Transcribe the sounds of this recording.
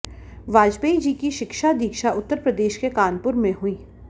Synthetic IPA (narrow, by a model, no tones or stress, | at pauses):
ʋaːd͡ʒbeid͡ʒikiʃɪkʃad̪iːkʃaʔʊt̪ːəɾpɾəd̪eːʃkekaːnpʊɾmẽɦʊiː